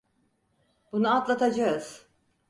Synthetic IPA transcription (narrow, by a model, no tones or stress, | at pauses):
b̥unuat̪lˠat̪ʰad͡ʒaɯz̥